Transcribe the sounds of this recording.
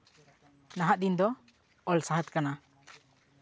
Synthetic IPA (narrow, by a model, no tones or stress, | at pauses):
naɦaʔd̪ind̪ɔ | ɔlsaɦət̪̚kana